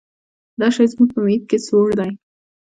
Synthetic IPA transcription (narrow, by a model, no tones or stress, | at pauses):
d̪ɑʃɑjzmuɡ̚pəmet̪̚kesoʐd̪aj